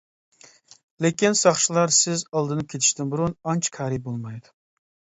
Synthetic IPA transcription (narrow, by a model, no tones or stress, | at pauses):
lekʲɪnsɑχʃɪlˠɑɾsɪzɑlˠd̪ɨnɨp̚kʲʰet̪ʰɪ̥ʃt̪ɪnbuɾunɑnt͡ʃʰkʲʰɑɾip̚bolˠmɑjd̪ɪ